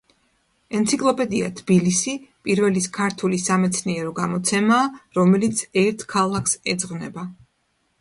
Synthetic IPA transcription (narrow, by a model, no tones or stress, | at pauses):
ɛnt̪sʰikʼlˠɔpʼɛd̪ia̰t̪ʰbilisipʼiɾvɛliskʰaɾt̪ʰulisamɛt̪sʰniɛɾɔɡamɔt̪sʰɛmaːɾɔmɛlit̪sʰɛɾt̪ʰkʰalˠakʰsɛd̪zʁvnɛba